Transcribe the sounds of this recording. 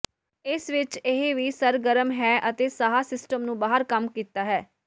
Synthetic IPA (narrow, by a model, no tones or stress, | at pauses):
ɪsʋɪt͡ʃɪɦeʋiːsəɾɡəɾəmɦɛːʔət̪eːsaːɦaːsɪsʈəmnũːbaːɦəɾkəmkiːt̪aːɦɛː